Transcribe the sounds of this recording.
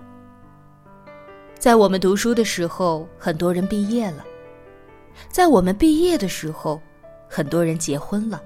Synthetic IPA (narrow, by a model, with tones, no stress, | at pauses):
t͡sa˥˩ɪwɔ˨˩mə˦nt̪u˧˥ʂu˥d̪ə˨ʂɻ̩˧˥xo˧ʊxə˨˩nt̪wɔ˥ɻə˧˥npi˥˧jɛ˥˩lə˩ | t͡sa˥˩ɪwɔ˨˩mə˦npi˥˧jɛ˥˩d̪ə˩ʂɻ̩˧˥xo˧ʊ | xə˨˩nt̪wɔ˥ɻə˧˥nt͡ɕjɛ˧˥xwə˥nlə˨